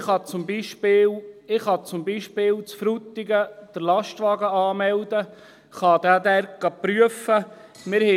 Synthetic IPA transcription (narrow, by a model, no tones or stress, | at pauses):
χɑt͡sʊmbiʃpɪːlɪχɑt͡sʊmbiʃpɪːlt͡sfɾut̪ːiɡəd̥əɾlɑʃtʋɑɡəɑːmɛld̪ə | χɑd̥̪aːd̪æɾɡ̥ɑpɾyəfə | mɪɾhɛ